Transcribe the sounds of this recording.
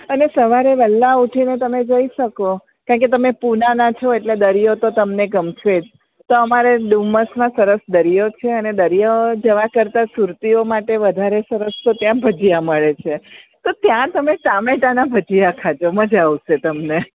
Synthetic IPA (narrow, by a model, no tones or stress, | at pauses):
ənesəʋaɾeʋɛlːauʈʰinet̪əmed͡ʒəiʃəko | kãket̪əmepunanat͡ʃʰoeʈled̪əɾijot̪ot̪əmneɡəmt͡ʃʰʋed͡ʒ | t̪oəmaɾeɖumːəsmãsəɾəsd̪əɾijot͡ʃʰeəned̪əɾijad͡ʒəʋakəɾt̪asuɾt̪iomaʈeʋəd̪ʱaɾesəɾəst̪ot̪jãbʱəd͡ʒijaməɭet͡ʃʰet̪ot̪jãt̪əmeʈameʈanabʱəd͡ʒijakʰat͡ʃʰoməd͡ʒaʋʃet̪əmne